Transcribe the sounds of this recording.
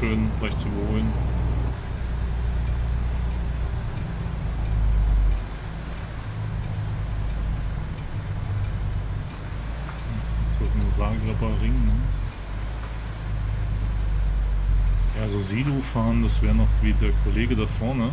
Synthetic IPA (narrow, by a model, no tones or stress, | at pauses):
øːnɡlaɪçtt͡suʔybɐhoːlən | nsoɡnzaːɡlabɐʁɪŋnə | jaːzoːziːloːfaːɐndasv̥ɛːʁənɔχviːdeːɐkʰɔleːɡədafɔɐnə